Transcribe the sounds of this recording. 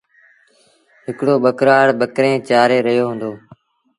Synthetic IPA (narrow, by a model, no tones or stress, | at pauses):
ɦɪkɽoːɓəkɾaːɽɓəkɾẽːt͡ʃaːɾeːɾəɦjoːɦʊ̃nd̪oː